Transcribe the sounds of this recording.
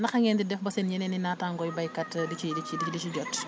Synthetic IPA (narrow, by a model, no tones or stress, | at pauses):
nɐxɐŋɡɛːndidɛfbɐsɛnjɛnɛninaːtaŋɡɔjbɐjkɐtdikidikididit͡ʃiɟɔt